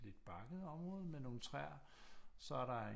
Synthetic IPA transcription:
lied̥b̥ɑ̈ɡ̥əð̩ˠɒ̽mʁɔ̽ːðˠmeno̝ːn̩t͡sʰʁɛɐ̰ | sɒ̽æɐɾɑ̈e

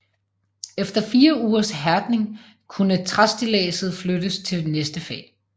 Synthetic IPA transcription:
efd̥ɐfiːɐuːɐsɦæɐd̥ne̝ŋ | kʰunət͡sʰʁasd̥ilɛ̰ːsð̩ˠflød̥əst͡sʰe̝ldnesd̥əfɛ̰ː

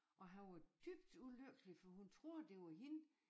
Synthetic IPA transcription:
ʔɒ̽ɦænʋɑ̈d̥yb̥d̥uløɡ̥lifɒɦunt͡sʰʁo̝ɐ̰d̥e̝ʋɑɦin

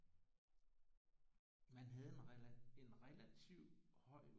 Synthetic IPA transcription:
mænɦæð̞ˠe̝ne̝nʁɛlæt͡sʰiʊ̰hɒ̽ɪ̰

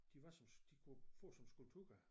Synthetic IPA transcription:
d̥iʋɑ̈sɒ̽md̥ikʰufɔ̰ːsɒ̽msɡ̥ult͡sʰuɡ̥æ

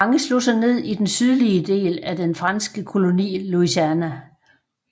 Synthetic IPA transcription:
ɑ̈ŋəslo̝̰sɑɪne̝ð̞̰ˠid̥ensyð̞ˠliəd̥e̝̰ːlæd̥enfʁɑ̈nsɡ̥əkʰo̝lo̝nḭːluisænæ

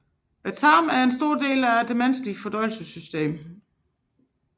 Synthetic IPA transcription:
æt͡sʰɑ̈ːmæɐe̝nsd̥o̝ɐ̰d̥e̝̰ːlæd̥emænsliɡ̥fɒ̽d̥ɒɪl̩səsysd̥ḛːm

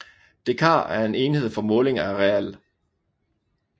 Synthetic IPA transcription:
d̥ekʰɑ̰̈ːæɐe̝ne̝ːnihe̝ð̞̰ˠfɒ̽mɔ̽ːle̝ŋɐæʁɛæl

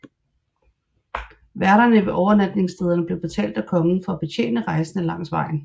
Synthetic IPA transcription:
ʋæɐɾɐnəʋe̝ʔɒʊɐnæd̥ne̝ŋsd̥eð̞ˠɐnəb̥le̝ʊb̥e̝t͡sʰɛ̰ːld̥ækʰɒ̽ŋn̩fɒ̽æb̥e̝t͡ɕʰḛːnəʁɑ̈ɪsənəlɑ̈ŋ̰sʋɑ̈ɪ̰n̩

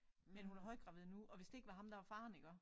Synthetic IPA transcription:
menhunæɐɦɒ̽ɪd̥̚ɡ̥ʁɑ̈ʋeð̩ˠnuɒ̽ʋe̝sd̥e̝e̝ɡ̥ʋɑ̈ɦɑ̈md̥ɑʋɑ̈fɑ̈ːniɡ̥ɶɐ

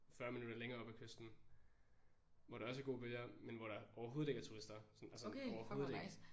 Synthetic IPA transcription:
fɶɐ̰minud̥ɐleŋɐːɒ̽b̥ækʰøsd̥n̩ | ʋɒɾ̥ɑ̈ɒ̽s̬æɐɡo̝̰ːb̥øljɐmenʋɒɾ̥ɑɐʔɒʊɐɦoːð̩ˠeɡ̥ɐt͡sʰuʁisd̥ɐsɒnælsəɒʊɐhoːð̩ˠeɡ

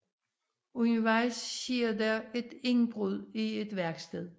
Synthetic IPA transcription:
uniʋɑ̈ɪsɕiɐdæe̝d̥e̝ŋb̥ʁuð̰ˠie̝d̥ʋæɐɡ̥sd̥eð̰ˠ

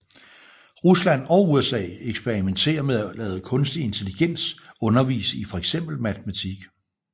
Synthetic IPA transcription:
ʁuslæn̰ɒ̽ʊuesɛ̰ːeɡ̥sb̥eʁiment͡sʰe̝̰ːɐmeðˠælɛ̰ːð̞̩ˠəkʰɔ̽nsd̥ie̝nt͡sʰe̝liɡ̥en̰sɔ̽nɐʋḭːsəifɒ̽eɡ̥sem̰b̥l̩mæt͡sʰemæt͡sʰiɡ̥

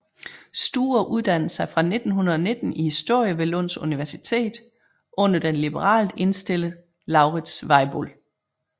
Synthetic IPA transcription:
sd̥ṵːɐʔuð̞ˠd̥æn̰əsɑ̈ɪfʁɑ̈ne̝d̥n̩ɦunɐðˠɒ̽ne̝d̥n̩ihisd̥o̝ɐ̰jəʋe̝lɔn̰suniʋæɐsit͡sʰe̝̰ːd̥ | ʔɔ̽n̰ɐd̥enlib̥əʁɑ̰̈ːlde̝nsd̥e̝l̰əð̩ˠ | lɑ̈ʊʁid̥sʋɑ̈ɪb̥o̰l

